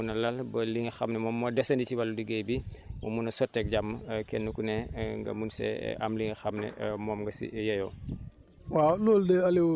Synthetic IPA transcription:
unɐlɐlbɐliŋxɐmnɛmɔːmːɔdɛsɐndicibɐlːudiɡejbimɔ̰munɐsɔtːɛk̚ɟamːɐkɛnːukunɛŋɡɐ̰munsɛ̰ʔɐ̰mliŋxɐmnɛ̰mɔːmŋɡɐsḭjɐjɔ | walɔːldɛɐli

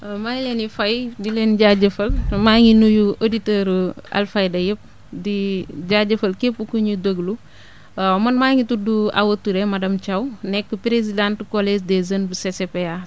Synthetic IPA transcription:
majlɛnifɐjdilɛːnɟaɟɐfɐlmaŋinujuʔoditəːɾɐ̰lfɐjdɐjəp̚ | diɟaɟɐfɐlkepːukuɲudoɡlu | mɐnmaːŋituduɐ̰wɐtːuɾɛmɐdɐmt͡ʃɐwnɛkːəpɾezidantəkolesdɛzɐnbəsesepea

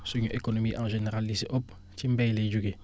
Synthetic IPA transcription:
suɲuʔekonomiʔãʒeneɾalːisʔop | timbɛjled͡ʒuɡi

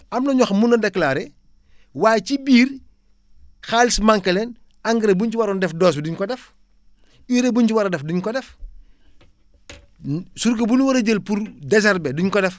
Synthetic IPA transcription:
ɐmnɐɲɔxmunːɐdɛklaːɾɛ | waːjcibiːɾ | xalismaŋkɐlɛn | aŋɡiɾebunt͡ʃiwaɾɔndɛfdɔːs̬biduɲkɔdɛf | iɾebuɲciwaɾɐdɛfduɲkɔdɛf | suɾkɐbunwɐɾɐɟəlpuɾdɛsɐɾbɛduɲkɔdɛf

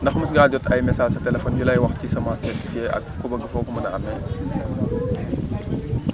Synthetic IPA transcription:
ndɐxmɐs̬ɡaːɟɔtɐjmɛsaːlsɐtɛlɛfɔːnjulɐjwɐxtcisɐmaːsɛɾtifieʔɐ̰kkːubɐɡifɔkumɐnɐɐmːɛ

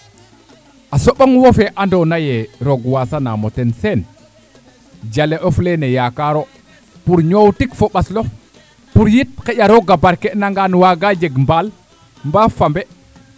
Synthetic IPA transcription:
ʔasoɓaŋwofeʔandonajeɾoɡwasana̰motensen | d͡ʒaleʔoflenejakaɾo | puɾɲowtikfoɓaslo | puɾjit̚kejaɾoɡabaɾkenaŋɡanwaɡad͡ʒeɡmbal | mbafambe

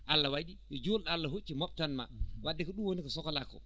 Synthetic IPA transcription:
ʔalːawaɗijɔd͡ʒolɗalːaɦot͡ʃːimɔp̚tanma̰wadːɛkɔɗuwonikɔsɔkɔlakɔ̰

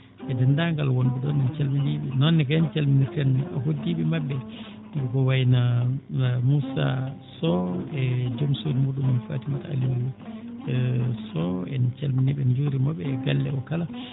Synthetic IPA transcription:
ʔɛdɛndaŋɡalwonduɗɔnɛnt͡ʃɛlminiɓinɔnːɛkaant͡ʃɛlminiɾtɛnɛa̰ɦodːiɓimabːɛ | dikɛkɔwajna | musa̰sɔɛd͡ʒomsonimuɗumanfa̰timataa̰luɾi | sɔɛ̰nt͡ʃɛlminiɓɛnd͡ʒuɾimɔɓɛːɡalːɛ̰ɔkala

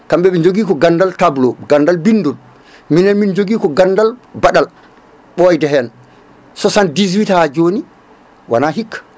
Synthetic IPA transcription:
kamɓɛɛd͡ʒoɡiːkɔɡandaltablɔɡandalbindul | minɛnmind͡ʒoɡiːkɔɡandalbaɗal | ɓɔjdɛɦɛn | sɔsandizwithad͡ʒoni | wanaɦikʰːḁ

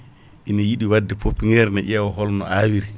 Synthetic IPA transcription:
ʔinajiɗiwadːɛpopːiŋɡɛɾnaʔɛwɔɦɔlnɔ̰ʔawiɾi

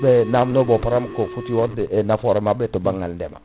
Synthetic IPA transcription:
bɛnamnobɔpaɾamkofutiwɔdnafɔɾɛmabɛtobaŋaldɛma̰

